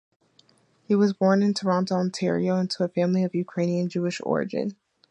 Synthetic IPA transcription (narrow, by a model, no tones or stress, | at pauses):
hiwʌzbɔɹnɨ̃ntʰəɹɑ̃ntɑ̃ntʰɛɹḭoʊɪ̃ntʰəəfæ̃mliʌvjʉkʰɹ̥ẽɪ̃niɨ̃nd͡ʒʉɨʃɔ̰ɹɨ̰d͡ʒɨ̰̃n